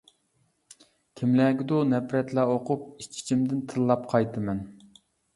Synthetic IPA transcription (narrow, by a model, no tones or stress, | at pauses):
kʲʰimlæːɡʲid̪onɛpɾɛt̪læoqʰʊp̚it͡ʃʰːi̥t͡ʃʰimd̪ɪnt̪ʰɨlˠːɑpqʰɑjt̪ʰɨmɛn